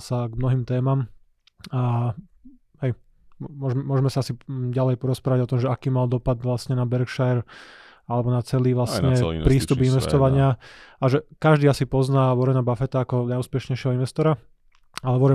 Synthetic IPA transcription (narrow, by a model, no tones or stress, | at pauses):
saɡmnɔɦiːmt̪ɛːmam | a | ɦɛj | mʊɔʒmɛmʊɔʒmɛsaasiɟalɛjpɔɾɔspɾaːʋaɟɔt̪ɔmʒɛakiːmald̪ɔpad̪ʋlasɲɛnabɛɾkʃaɛɾ | alɛbɔnat͡sɛliːʋlasɲɛpɾiːst̪upinʋɛsst̪ɔʋaɲɪaaʒɛkaʒd̪iːasipɔznaːʋɔɾɛnabafɛt̪aːkɔnajuːspɛʃɲɛjʃɪɛɦɔinʋɛst̪ɔɾa | alɛʋɔɾɛ